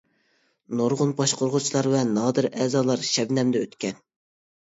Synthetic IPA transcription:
noɾʁʊnbɑʃqʰoɾʁʊt͡ʃʰilˠɑɾvɛnɑːd̪ɨɾɛːzɑːlˠɑɾʃɛbnɛmd̪ɛøt̪kʲɛn

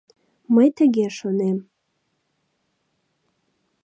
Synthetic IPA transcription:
məjt̪əɡʲeʃonem

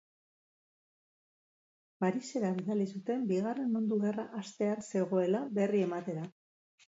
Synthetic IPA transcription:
paɾise̞ɾaβ̞iðalisut̪e̞mbiɣ̞are̞nmund̪uɣe̞raʔast̪e̞anse̞ɣo̞e̞laβe̞rie̞mat̪e̞ɾa

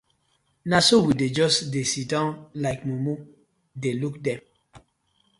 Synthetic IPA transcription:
nasowided͡ʒɔsdesidãnlaɪkmumu | delukdɛ̃m

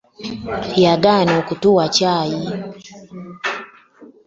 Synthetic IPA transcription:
hiaɡanɔkutuat͡ʃaji

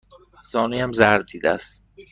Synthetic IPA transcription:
sɒːniːæmzæɾ̚d̪iːd̪æ̰st̪

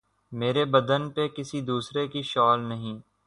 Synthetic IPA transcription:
meːɾebɐd̪ənpekɪsid̪uːsɾekiʃɔːlnɐɦĩː

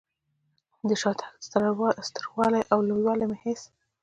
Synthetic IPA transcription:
d̪əʃɑt̪ʰḁsɾwst̪əɾɣwɑlajʔawlojwɑlajmɪhes

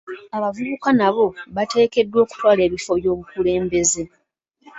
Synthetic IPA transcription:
aβavuβukanaβo̞βate̞ːke̞dːwo̞ːku̥twaːle̞ːβifo̞βjo̞ːβukule̞ːmbe̞ze̞

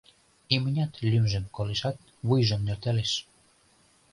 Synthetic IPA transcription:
imənʲɑt̪lʲymʒĕmkoleʃɑt̪̚ | βujʒə̆mnørt̪eleʃ

